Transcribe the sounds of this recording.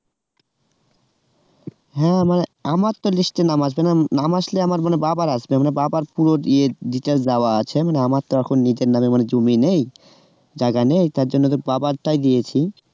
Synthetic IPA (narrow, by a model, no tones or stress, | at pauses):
ɦɛ̃maneamaɾt̪ːoliʃʈenamaʃ̬benanamaʃleamaɾmanebabaɾaʃbemanebabaɾpuɾoɾieɖiʈeld͡ʑaoaat͡ɕʰemaneamaɾt̪oɛkʰonːid͡ʑeɾnamemaned͡ʑominej | d͡ʑaɡanejt̪aɾd͡ʑonːot̪obabaɾʈajd̪ijet͡ɕʰi